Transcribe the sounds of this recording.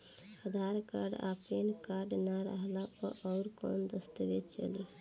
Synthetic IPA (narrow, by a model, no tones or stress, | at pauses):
əd̪ʱaɾka̰ɾɖa̰penkaɾɖnaɾəɦlapəʔɔʊɾkɔ̰nd̪əst̪əbet͡ʃə̰li